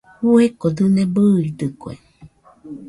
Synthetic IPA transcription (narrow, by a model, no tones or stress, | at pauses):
huekod̪ɨnebɨːid̪ɨkoḛ